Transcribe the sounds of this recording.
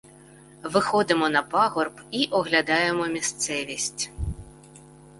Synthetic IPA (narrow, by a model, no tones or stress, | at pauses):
vɨxɔd̪ɨmɔn̪ɐpaɣɔrpiʔɔɣlʲad̪ajɛmɔmʲist̪sɛvʲisʲt͡sʲ